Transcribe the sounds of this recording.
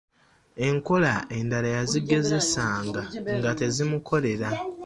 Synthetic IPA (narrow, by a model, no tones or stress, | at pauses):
e̞ŋko̞lae̞ndalajaziɡe̞ze̞saːŋɡaŋɡate̞zimukʰo̞le̞ɾa